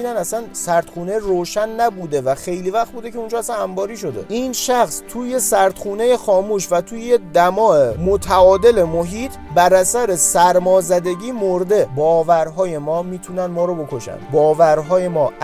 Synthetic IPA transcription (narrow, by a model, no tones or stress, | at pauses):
iːnænæsænsæɾt̪χuːne̞roːʃænːæbuːd̪e̞væxe̞jliːvæxt̪̚buːd̪ecʰe̞und͡ʒɒːæsænæmbɒːɾiːʃ̬o̞d̪e̞̰ʔiːnʃæxst̪ʰuːjesæɾt̪χuːne̞je̞xɒːmuːʃvæt̪ʰuːjejed̪æmɒːemot̪ʰæɒːd̪e̞le̞moɦiːt̪ʰbæɾæsæɾe̞sæɾmɒːzæd̪e̞ɟiːmoɾd̪e̞bɒːvæɾɦɒːje̞mɒːmiːt̪ʰuːnænd̪mɒːɾobo̞kʰo̞ʃæ̰nbɒːvæɾɦɒːje̞mɒːʔ